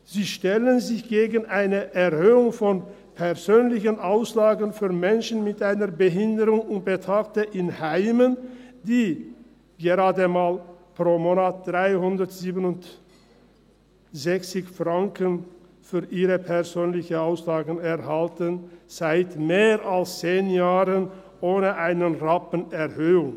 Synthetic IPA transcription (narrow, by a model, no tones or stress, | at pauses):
z̥iːʃtɛlənzɪçɡ̥eːɡən̩ʔaɪnəʔɛʁhøːʊŋfɔn | pʰɛɐzøːnlɪçənʔaʊslaːɡən̩fyːɐmɛnʃn̩mɪtʔaɪnɐɐbəɦɪndəʁʊŋʊnt̚b̥ətʰaːk̚təʔɪnhaɪməndiː | ɡəʁaːdəmaːlpʁ̥oːmoːnaːt̚d̥ʁaɪhʊndɐtz̥iːbənʊnt | z̥ɛçt͡sɪçfʁ̥aŋkən | fyːɐʔiːʁəpʰɛɐzøːnlɪçəaʊslaːɡən̩ɛɐhaltənz̥aɪtmeːʁalst͡seːnjaːʁən | ʔoːnəʔaɪnənʁapən̩ɛʁhøːʊŋ